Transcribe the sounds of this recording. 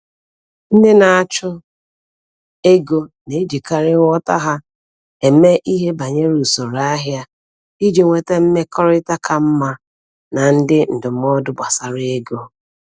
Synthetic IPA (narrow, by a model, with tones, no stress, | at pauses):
n̩˦dɪ˦na˨a˨t͡ʃʊ˦ | e˦ɡo˦ne˨˦d͡ʒi˨ka˦ɾɪ˦ŋʷ˦ɔ˦ta̰˦ɦa˦ | e˨me˦ʔi˦ɦe˦ba˨ɲe˦ɾu˨so˨ɾa˦ɦja˦ | i˦d͡ʒi˨ŋʷe˨te˦m̩˦me˦kɔ˦ɾɪ˦ta˦kʰa˨m̩˦ma˦ | na˨n̩˦dɪ˦n̩˨dʊ˨m̩˦ɔ˦dʊ˦ba˨sa˨ɾɪ˦e˦ɡo˦